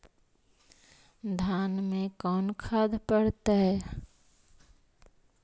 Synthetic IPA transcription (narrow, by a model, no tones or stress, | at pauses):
d̪ʱanmẽkɔːnkʰad̪pəɽt̪aɦɛ